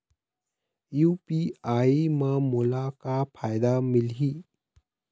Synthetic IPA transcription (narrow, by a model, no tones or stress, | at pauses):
jupiaiməmulakapʰajd̪amilɦi